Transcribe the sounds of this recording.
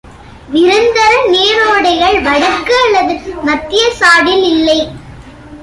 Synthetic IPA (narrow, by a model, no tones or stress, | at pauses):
ʋɪɾɯnd̪ɐɾɐneːɾoːɽɐɪɣɐɭʋɐɽɐkːɯɐɭːɐðɯmɐt̪ːɪjɐsaːɽɪlɪlːɐɪ